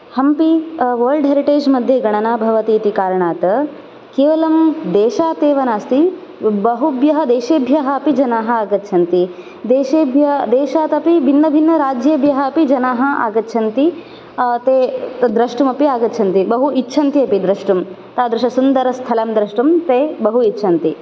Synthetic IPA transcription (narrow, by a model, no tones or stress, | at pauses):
hɐmpiʋɐɾɭɖɦeɾiʈeːd͡ʒmɐd̪ʱjɐɡɐɳ̃ɐnaːbʱɐʋɐt̪iːt̪ikaːɾɐɳaːt̪ɐ | keːʋɐlɐmd̪eːʃaːt̪eːʋɐnaːst̪i | bɐɦubjɐɦɐd̪eːʃeːbʱjɐɦɐɐpid͡ʒɐnaːɦɐ̆aːɡɐt̪ːʃʰɐnt̪i | d̪eːʃeːbʱjɐd̪eːʃaːt̪ɐpibʱinːɐbʱinːɐɾaːd͡ʒjeːbʱjɐɦɐɐpid͡ʒɐnaːɦɐ̆a̰ːɡɐtːʃʰɐnt̪i | t̪eːd̪ɾɐʂʈumɐpiaːɡɐtːt͡ʃʰɐnt̪ibɐɦuitːʃʰɐnt̪iɐpid̪ɾɐʂʈum | t̪aːd̪ɾɪʃɐsund̪ɐɾɐst̪ʰɐlɐmd̪ɾɐʂʈumt̪eːbɐɦuitːʃʰɐnt̪i